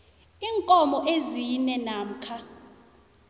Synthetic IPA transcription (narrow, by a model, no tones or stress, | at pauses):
iːŋkʼɔmɔʔezinɛnam̩kʰa